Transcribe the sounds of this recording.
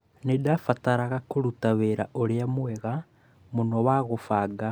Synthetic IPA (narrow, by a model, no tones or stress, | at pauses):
nedafataɾaɣakoɾutaβeɾa̰ʔoɾeamweɣa | munowaɣofaːɡa